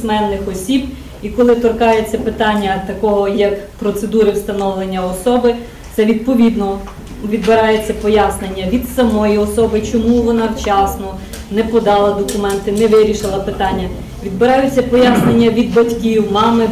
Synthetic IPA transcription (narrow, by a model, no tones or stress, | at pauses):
smɛnːɪxɔsʲib | ikɔlˠɪt̪ɔrkɑjet͡sʲːɐpɪt̪ɑnʲːɐt̪ɐkɔɦɔjɐkpɾɔt̪sed̪uɾɪwst̪ɐnɔʋlˠenʲːɐɔsɔbɪ | t̪sɛʋʲid̪̚pɔʋʲid̪nɔ | ʋʲid̪bɪɾɑjet͡sʲːɐpɔjɑsnenʲːɐʋʲid̪sɐmɔjiɔsɔbɪt͡ʃɔmuʋɔnɑwt͡ʃɑsnɔ | nɛpɔd̪ɑlˠɐd̪ɔkʊmɛnt̪ɪnɛʋɪɾʲiʃɪlˠɐpɪt̪ɑnʲːɐ | ʋʲid̪bɪɾɑjʊt͡sʲːɐpɔjasnenʲːɐʋʲid̪̚bɐtʲkʲiwmɑmɪ